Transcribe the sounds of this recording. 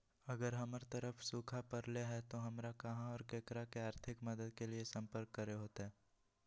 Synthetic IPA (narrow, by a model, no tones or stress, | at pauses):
ɐɡəɾɦɐmɾt̪əɾəfʰsuːkʰapɐɾleɦɛt̪oɦɐmɾakɐɦãɔːɾkeːkɾakeaːɾt̪ʰɪkmɐd̪əd̪̚keliesɐ̃mpəɾkːɐɾeɦoːt̪eɦɛː